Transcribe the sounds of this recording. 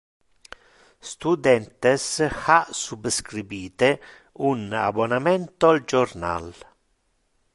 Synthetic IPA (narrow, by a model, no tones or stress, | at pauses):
st̪ud̪ɛnt̪esasubskɾibiːt̪e | una̰bonamɛnt̪oald͡ʒorna̰l